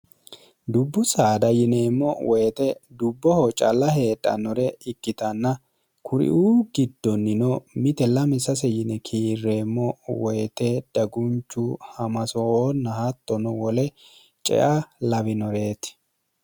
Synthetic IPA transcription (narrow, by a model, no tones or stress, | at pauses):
d̪ʊbːʊsaːd̪ɐjɪne̞ːmːɔwʔɔjt̪ɛd̪ʊbːɔhɔt͡ʃʼɐ̰lːɐhe̞ːt̪ʼːɐ̰nɔɾɛɪkːɪt̪ɐnːɐ | kʰʊɾɪ̰ʔuːɡɪd̪ːɔnːɪnɔmɪt̪ɛlɐmɪsɐsɛjɪnɛkʰiːrːe̞ːmːɔwɔjt̪ɛd̪̥ɐɡʊnt͡ʃːʊhɐmɐsɔoːnːɐhɐt̪ːɔnʊwɔlɛ | t͡ʃʼɛ̰ʔɐlɐβɪnɔɾe̞ːt̪ɪ̥